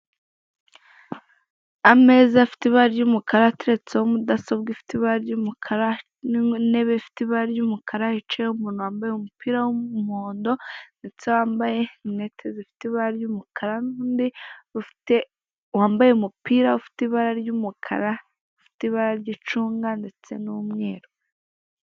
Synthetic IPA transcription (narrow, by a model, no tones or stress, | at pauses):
ame̞ːzafi̥tiβaɾjumukaɾateɾet͡sehomudasobɡifi̥tiβaɾaɾjumukʰaɾa | ne̞βefi̥tiβaɾaɾjumukʰaɾahit͡ʃehumuːnuwaːmbajeumupiːɾawomoːndo̞nde̞t͡se̞waːmbajenetʰezefi̥tiβaɾaɾjumukʰaɾanuːndiβufi̥te | waːmbajeumupiːɾaufi̥tiβaɾaɾjumukʰa̰ɾa | ufi̥tiβaɾaɾɟit͡ʃuːŋɡande̞t͡se̞numŋe̞ːɾo